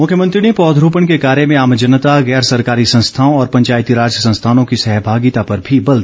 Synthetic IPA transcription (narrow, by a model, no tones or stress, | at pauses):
mʊkʰjəmə̃nt̪ɾinipɔːd̪ʱɾoːpəɳkekaːɾjemẽaːmd͡ʒɐnət̪aɣɛːɾsɐɾkaːɾisɐ̃nst̪ʰaːõɔːɾpɐ̃ɲt͡ʃaːjt̪iɾaːd͡ʒjəsɐ̃nst̪ʰaːnõkisɛɦbʱaːɡit̪apɐɾbʱibɐld̪